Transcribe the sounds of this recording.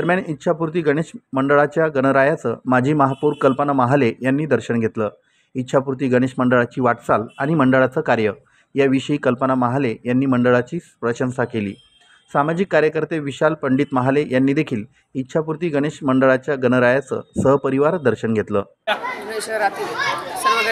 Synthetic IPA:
d̪əɾmjaɳit̪ːɕʰapuɾt̪̬iːɡəɽ̃eɕməɳɖəɭat͡ɕjaɡənəɾajat͡sə̰ːmad͡ʑʱiːməɦapuɾkəlpənamaɦalejanːiːd̪əɾɕəɳɡʱet̪ləː | it̪ːɕʰapuɾt̪̬iːɡəɽ̃eɕməɳɖəɭat͡ɕiːʋaʈsalaɽ̃iməɳɖəɭat͡səːkaɾjə | jaʋiɕəiːkəlpənamaɦalejanːiːməɳɖəɭat͡ɕiːspɾəɕənsakelḭː | samad͡ʑikːaɾjəkəɾt̪eʋiɕalpəɳɖiːt̪məɦalejanːiːd̪ekʰiːl | it̪ːɕʰapuɾt̪iːɡəɽ̃eɕməɳɖəɭat͡ɕjaɡənəɾajat͡sə̰ːsəɦpəɾiʋaɾd̪əɾɕənɡʱet̪lə̰ː | t̪

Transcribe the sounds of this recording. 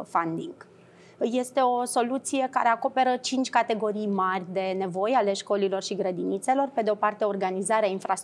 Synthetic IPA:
fand̪iŋɡ̥ | je̞st̪e̞o̞so̞lut̪sije̞ka̰ɾe̞ako̞pe̞ɾət͡ʃint͡ʃʲkat̪e̞ɡo̞ɾijmarʲd̪e̞ne̞vo̞jale̞ʃko̞lilo̞rʃiɡɾəd̪init̪se̞lo̞rpe̞d̪eo̞part̪eoorɡanizaɾeainfɾast̪

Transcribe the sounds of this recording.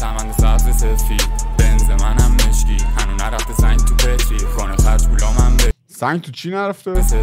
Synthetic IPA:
sæmænd̪esæzesefib̥enzemænæmːeʃci̥ːhænunæɾæft̪ezæŋɡt̪ʰupʰet̪ʰɾixɒːnexæɾd͡ʒkʰulɒːmæmbe | sæɲɡt̪ʰut͡ʃʰinæɾæft̪es

